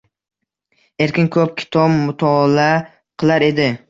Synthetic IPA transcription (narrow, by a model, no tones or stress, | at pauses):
e̞ɾkʲɪnkʰɵp̚kʲʰɪ̥t̪ʰɒbmʊt̪ʰɒːlaa | qʰɨlˠaɾe̞d̪ɪ